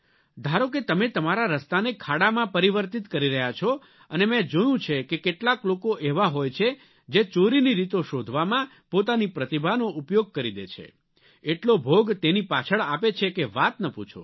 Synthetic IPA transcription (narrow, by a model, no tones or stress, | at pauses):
d̪ʱaɾok̬et̪əmet̪əmaɾaɾəst̪anekʰaɽamãpəɾiʋəɾt̪it̪kəɾiɾəɦjat͡ʃʰɔ | ənemɛ̃d͡ʒojũt͡ʃʰekekeʈlaklokoʔeʋaɦojt͡ʃʰe | d͡ʒet͡ʃoɾiniɾit̪oʃod̪ʱʋamã | pot̪anipɾət̪ibʱanoupjoɡ̚kəɾid̪et͡ʃʰḛ | eʈlobʱoɡt̪enipat͡ʃʰəɭapet͡ʃʰekeʋat̪nəput͡ʃʰo̰